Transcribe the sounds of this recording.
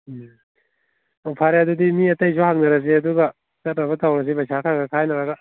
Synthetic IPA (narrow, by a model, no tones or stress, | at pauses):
upʰaɾadudimiɐtɐjsʰɔhak̚nɐɾɐs̬eɐduɡɐ | tɐt̚ɾɐβɐtawɾɐs̬ibɐjsʰakʰaɡɐkʰajnɐɾɐɡɐ